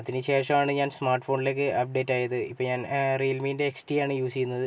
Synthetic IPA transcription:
ɐðinɨt͡ɕe̞ːrʂɐmaːɳɨɲaːnsmaːrʈːfo̞ːɳɖile̞ːk̬ːɨʔɐp̚ɖe̞ːtːaːjɐðɨipːoɲaːnriːlmiːinde̞ːksʈijaːɳɨjuːsikʲːunːɐðɨ

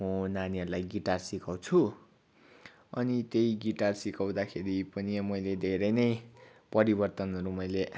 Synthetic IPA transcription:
unaniɦʌɾulajɡiʈarsikaw̃t͡sʰu | ʌnit̪jejɡiʈarsikaw̃d̪akʰeɾipʌnimʌjled̪ʱeɾʌjnʌjpʌɾibʌrt̪ʌnɦʌɾumʌjle

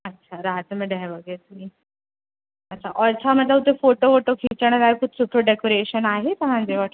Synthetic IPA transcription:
ətːɕʰaɾad͡zməɖaʋəɡeɾt̪umi | ətːɕʰaʔɔɾt͡ɕʰamət̪laɦut̪efoʈofoʈokʰit͡ɕəɽ̃əɾaekuʈ̪ʰsuʈʰoɖekoɾeɕənaɦet̪əɦãnd͡zeʋaʈ

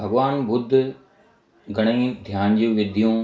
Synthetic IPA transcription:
bʱɐɡʋaːnbʊd̪ʱ | ɡʱɐɽ̃əĩd̪ʱjaːnd͡ʑũːʋɪd̪ʱijũ

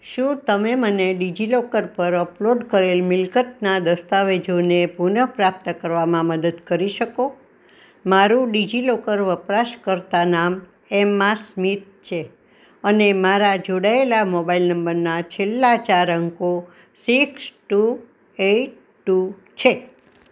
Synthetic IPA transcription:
ʃũt̪əmeməneɖid͡ʒilokəɾpəɾəploɖkəɾelmɪlkət̪nad̪əst̪aʋed͡ʒonepunəpɾap̚t̪əkəɾʋamãməd̪əd̪kəɾiʃəko | maɾũɖid͡ʒilokəɾʋəpɾaʃkəɾt̪anam | emːasmit̪̚t͡ʃʰe | ənemaɾad͡ʒoɽaelamobailnəmbəɾnat͡ʃʰelːat͡ʃaɾəŋko | siksʈu | eʈ̚ | ʈːu | t͡ʃʰe

